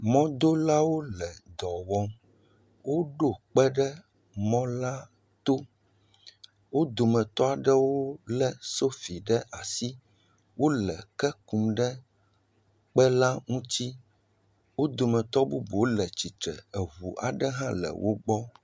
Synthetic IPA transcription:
mɔ̃˦d̪o˦la˦wo˦lɛ˨d̪ɔ˨wɔ˦m | wo˦ɖo˨k͡pɛ˦ɖɛ˦ | mɔ̃˦la˦ | t̪o˦ | wo˦d̪o˨mɛ̃˨t̪ɔ˦a˨ɖɛ˦wo˦lɛ˦so˦fi˨ɖɛ˦ʔa˨si˦ | wo˦lɛ˨kɛ˦ku˨mɖɛ˦ | k͡pɛ˦la˦ŋũ˦t͡ɕi˦ | wo˦d̪o˨mɛ̃˨t̪ɔ˦bu˦bo˨˦lɛ˨t͡ɕi˨t̪ɛ̰˨ɛ˨βu˨ʔa̰˨ɖɛ˦ɦã˦lɛ̰˨wʔo˦ɡ͡bɔ˦

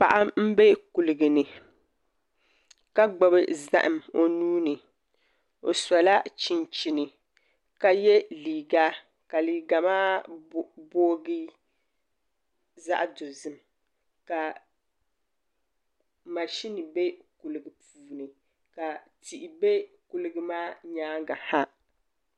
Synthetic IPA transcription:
pa˨ʔa˦m̩˦be˦ku˨lɨ˨ɡɨ˨nɨ˨ | ka˦ɡ͡bɔ˨bɨ˦za̰˦ʔɨ˨mo˦nuː˦nɨ˨ | o˨sa˨la˦t͡ʃi˨nt͡ʃi˨nɨ˨ | ka˦jɛ˦liː˨ɡa˦ | ka˨liː˨ɡa˨maː˦ | boː˦ɡi˦ | za̰˦ʔdo˨zɨ˦m | ka˨ | ma˨ʃi˦nɨ˨be˦ku˨lɨ˨ɡɨ˨pʰuː˨nɨ˨ | ka˨ti˨ʔi˨be˦ | ku˦lɨ˦ɡɨ˦maː˦ɲaː˦ŋɡa˨ha˦

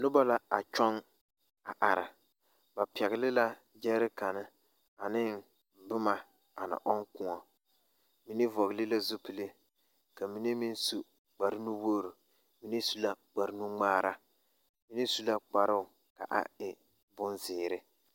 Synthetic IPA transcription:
nʊ˦ba˦la˦a̰˨t͡ʃɔ˦ŋ | a˨ʔa˨ɾa̰˨ | ba˨pɛ˨ɣɪ˨lɪ˦la˦ | d͡ʒɛ˦ɾɪ˦ka˨nɪ˦ | a˨nɪ˦n | bʊ˦ma˨ | a˨nɪ̰˨ʔɔ˦ŋkʊ˦ŋɔ˨ | mi˦ni˦vɔ˨ɣlɪ˦la˦zu˦pi˨le˦ | ka˨mi˦ni˦mi˦n˦su˦ | k͡pa˨ɾɪ˦nu˦woː˦˨ɾu˨ | mi˦ni˦su˦la˦k͡pa˨ɾɪ˦nu˦ŋ͡maː˦ɾa˦ | mi˦ni˦su˦la˦k͡pa˨ɾɪ˦ʊ˨ | ka̰˨ʔa̰˨ɪ˨ | bʊ˦nzɪː˨ɾɪ˦

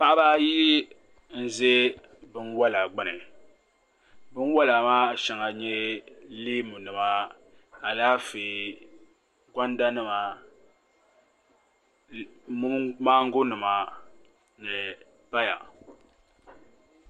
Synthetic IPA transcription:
pa˦ʔa˦baː˦ji˦ | n̩˦ze˦ | bɨ˦nwa˦la˨ɡ͡ba˨nɨ˨ | bɨ˦n˦wa˦la˨maː˦˨ʃɛ˨ŋa˨ɲɛ˦liː˦mu˨nɨ˨ma˨˦ | a˨laː˦feː˨ | kʷa˦nda˦nɨ˦ma˨ | mu˦maː˦ŋ̩˦ɡʊ˦nɨ˨ma˨ | ɲɛ˨ | pa˦ja̰˨

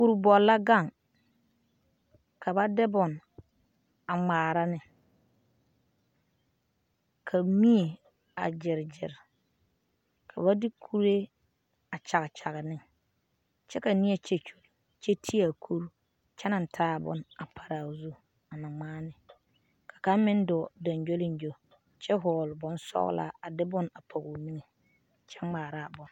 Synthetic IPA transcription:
u˨ɾbɔ˨lːa˦ɡa˦˨ŋ | kʰa˨ba˦dɪ˦bʊ˨n | a˨ŋ͡maː˨ɾa˦nɪ˨ | kʰa˨mi˦e˨ | a̰˨d͡ʒɪ˨ɾd͡ʒɪ̰˨ɾ | kʰa˨βa˦dɪ˦kʰu˦ɾe˦ | a˨t͡ʃa˨ɣɪ˨t͡ʃa˨ɣɪ˨nɪ˦ŋ | t͡ʃɛ˦ka˨ni˦e˨t͡ʃe˦t͡ʃu˨ | t͡ʃe˦tʰi˦a˨kʰu˦ɾ | t͡ʃɛ˦na˨n˨tʰaː˦˨bʊ̰˦na˨pʰa˨ɾa˨zu˦ | a˨na˨ŋ͡maː˦nɪ˨ | kʰḁ˨ka˦mɪ˦n˦dɔ˨da˨nd͡ʒo˦lɪ˦nd͡ʒo˦ | t͡ʃɛ˦ɦɔː˨lʊ˨bɔ˦n˦sɔ̰˦ɣ̰la̰ː˦a˨dɪ˦bʊ˦na˨pʰa˨ɣo˨mi˦ŋe˨ | t͡ʃʰɛ˦ŋ͡maː˨ɾa˦˨bʊ˨n

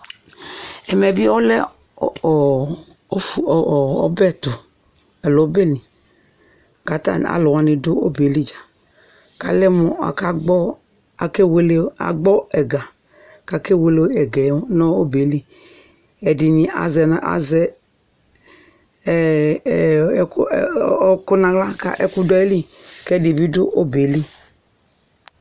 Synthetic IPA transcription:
ɛ˨mɛ˨bi˦ɔ˦lɛ˦˨˦ | ɔ̰˦bɛ˦tʊ˨ | ɛ˨lɔ˨˦be˦˨lĩ˨ | ka˨ta̰˦˨n̰˨a̰˨lo˨wa˨ni˨do˦o̰˦be˨˦li˦d͡ʒa˨ | ka˨lɛ˦mɔ˨a̰˨ka˦ɡ͡bɔ˦ | a˨ke˦we˦le˦a̰˨ɡ͡bɔ˦ɛ˨ɡa˨ | ka˨ke˦we˨˦lo˦ɛ˨ɡɛ˨˦nɔ˦o˦be˨˦li˦ | ɛ˨di˨ni˨a̰˨zɛ˨na˨a̰˨zɛ˨˦˨ | ku˦nã˨ɡla˦ka̰˨ʔɛ̰˨ku˦dɔ˦ɛ˦li˦kɛ˦˨di˨bi˦dʊ˦ʔo˦be˨li˦

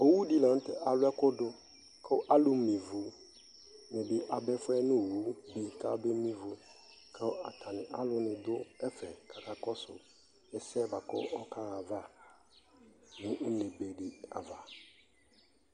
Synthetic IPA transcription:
o˦wu˦di˦lã˨n̩˦tɛ˦ʔa˨lʊ˦ɛ˦kʊ˦dʊ˦ | kʰɛ˦ʔa˦lʊ˦mĩ˨vu˨˦ | nɛ̃˨bi˦ʔa˨bɛ˦fʊ˦ɛ˦nʊ̃˦˨wu˦bi˨ka˦be˦mĩ˦vu˨ | kʰɛ˦a˨tʰa˨nɪ̃˨ʔa˦lʊ˦nɪ̃˨d̪ʊ˦ɛ˦fɛ˨ka˨ka˨kɔ˦sʊ̰˨ | ɛ˨sɛ˦˨ba˨kɔ̰˦ɔ˦ka˦a˨va˦ | nʊ̃˦le˨be˨ɖɪ˨a̰˨va˨

